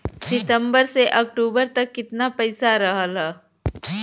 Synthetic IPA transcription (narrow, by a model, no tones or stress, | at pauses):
sɪt̪ə̃mbəɾseʔɐk̚ʈuːbəɾt̪ɐkːɪt̪napɐɪsaɾɐɦəlaː